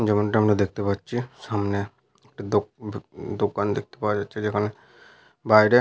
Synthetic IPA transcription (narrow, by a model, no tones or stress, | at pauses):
d͡ʒemonʈaɦəmɾad̪eːk̚ʰt̪epat̪ːt͡ʃʰisaːmne | ek̚ʈid̪o | d̪okand̪ek̚ʰt̪epad͡ʒaːt̪ːt͡ʃʰed͡ʒekʰane | baːiɾe